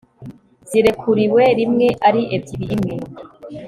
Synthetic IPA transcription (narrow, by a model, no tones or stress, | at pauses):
z̥iɾe̞kʰuɾiweɾimŋe̞ʔaɾiʔediɾiːmŋe